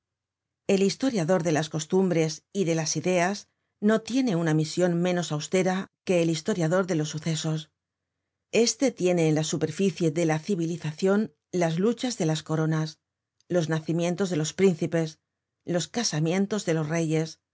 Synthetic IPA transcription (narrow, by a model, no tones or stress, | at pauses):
e̞list̪o̞ɾjaðo̞ɾðe̞lasko̞st̪umbɾe̞siðe̞lasiðe̞az | no̞t̪je̞ne̞unamisjo̞nmẽ̞no̞sawst̪e̞ɾake̞ːlist̪o̞ɾjaðo̞ɾðe̞lo̞sːuθe̞so̞s | e̞st̪e̞t̪je̞ne̞ːnlasupe̞ɾfiθje̞ðe̞laθiβiliθaθjo̞n | lazlut͡ʃazðe̞lasko̞ɾo̞nas | lo̞znaθimjẽ̞nt̪o̞zðe̞lo̞spɾin̟θipe̞s | lo̞skasamjẽ̞nt̪o̞zðe̞lo̞sre̞je̞s